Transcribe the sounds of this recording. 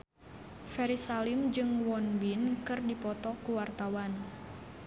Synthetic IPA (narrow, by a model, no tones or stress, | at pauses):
fɛɾisalimd͡ʒɨŋwɔnbinkɨrdipɔt̪ɔkuwart̪awan